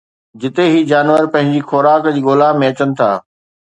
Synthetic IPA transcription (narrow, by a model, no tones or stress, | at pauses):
d͡ʑɪt̪eɦiːd͡ʑaːnʋəɾpɐ̃ɦɪ̃ɲd͡ʑixoːɾaːkd͡ʑiːɠoːlamẽɐt͡ɕənɪ̆t̪ʰa̰ː